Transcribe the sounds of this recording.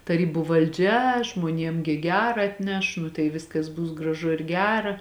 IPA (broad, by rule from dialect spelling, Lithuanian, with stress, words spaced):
tɐˈrʲiːbʊ ʋɐlʲˈd͡ʒʲɛ ʒmuɔˈnʲiɛm ɡʲɪ ˈɡʲæːrɐ ɐtʲˈnʲɛʃ nʊ tɐɪ ˈʋʲɪskɐs ˈbʊs ɡrɐˈʒʊ ɪr ˈɡʲæːrɐ